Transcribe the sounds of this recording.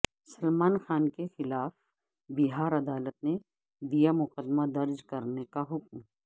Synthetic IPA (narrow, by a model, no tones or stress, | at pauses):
sɐlmaːnxaːnkexɪlaːf | bɪɦaːɾɐd̪aːlət̪̚ne | d̪ijamʊqəd̪mad̪ɐɾd͡ʒkɐɾnekaɦʊkm